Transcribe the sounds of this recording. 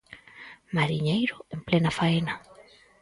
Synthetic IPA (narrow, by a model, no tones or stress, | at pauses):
maɾiɲejɾʊemplenafaena